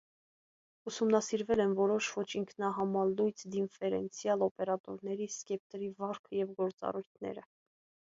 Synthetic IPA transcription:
usumnɑsiɾvɛlɛnvɔɾɔʃvɔt͡ʃʰiŋkʰnɑɦɑmɑlːujt͡sʰd̪infɛɾɛnt͡sʰjɑlɔpɛɾɑt̪ɔɾnɛɾiskɛp̚t̪ɾivɑɾkʰəjɛvɡɔɾt͡sɑ̰rujt̪ʰnɛ̰ɾə

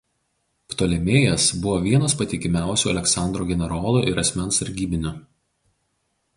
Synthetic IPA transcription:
pt̪oːlʲɛmʲeːjɛsbʊʋoːʋʲiɛnɐspɐt̪ʲɪkʲɪmʲæˑʊsʲuːɐlʲɛksɑˑnd̪ɾoːɡʲɛnʲɛɾoːlˠuːʔɪɾɐsʲmʲɛnsɐɾʲɡʲiːbʲɪnʲʊ

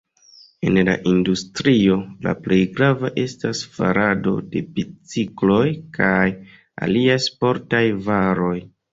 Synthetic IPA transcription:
e̞̰nla̰ʔindustɾio̞la̰ple̞jɡɾavaʔe̞stasfa̰ɾado̞̰de̞bit͡siklo̞jkʰaj | a̰liajspo̞ɾtajvaɾo̞j

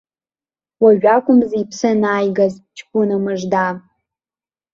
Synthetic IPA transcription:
waʒᶣakʷʼʊmzipʰsɨnaːjɡazt͡ʃʰkʷʼʊnamɨʐda

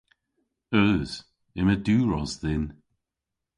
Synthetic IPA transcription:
œːz̥ | ɪməduːɹɔzðɪn

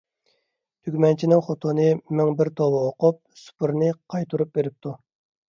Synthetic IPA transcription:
t̪ʰykʲmɛnt͡ʃʰinɪŋχot̪ʰonɨmɛŋbɪɾt̪ʰowɨoqʊp̚su̥pɨɾnɨqʰɑjt̪ʰuɾup̚beɾɪp̚t̪ʰu

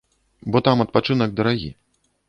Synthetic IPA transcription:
bɔt̪amɐt̪̚pat͡ʂɨnɐɡ̚d̪ɐɾaɣʲḭ

